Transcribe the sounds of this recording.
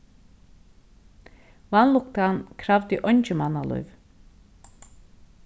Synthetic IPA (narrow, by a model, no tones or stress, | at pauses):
vanlˠukt̪ankʰɾavd̪iʔonʲt͡ʃimanalˠṵjv